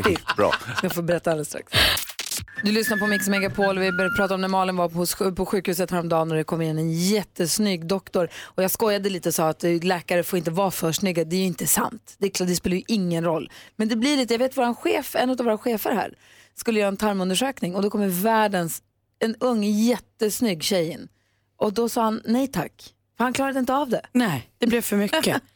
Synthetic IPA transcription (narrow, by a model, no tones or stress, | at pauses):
bɾɑ̰skafoːbɛɾɛt̪ːaald̪əst̪ɾa̰ks | d̪ɵlʏsnapʰɔmɪksmɛɡapʰoːlvɪbœɾjapɾɑːt̪aɾɔmnæmɑːlɪnvahʊspʰɔɧʉ̟ːkhʉ̟ːsət̪hæːɾɔmd̪ɑːlæɖɛkʰɔmːɾɪnːɛnjɛt̪ːəsnyːɡd̪ɔkt̪ɔɾɔjɑːɡskɔjːad̪əliːt̪əsɔat̪lɛːkaɾəfoːɾɪnt̪əvɑːfœːʂnʏɡːad̪ɛæjɵɪnt̪əsa̰nt̪d̪ɛd̪ɛspeːlɾjɵʔɪŋːənɾɔlːmɛnd̪ɛblɪɭiːt̪əjaveːt̪vʊɾanɧeːfɛnːʉt̪avoːɾaɧeːfəɾhæ̰ːɾ | skɵlːəjœːɾaɛnt̪ʰaɾmɵnd̪əʂøːknɪŋɔd̪ɔkʰɔmːəɾvæːɖəns | ɛnɵŋːjɛt̪ːəsnʏɡːɕɛjn | ʔɔd̪ɔsɑːhanːɛjt̪ʰa̰kː | fœɾhankʰlɑːɾad̪əɪnt̪əavd̪ɛnɛd̪̥ɛblɛvfœɾmʏkːə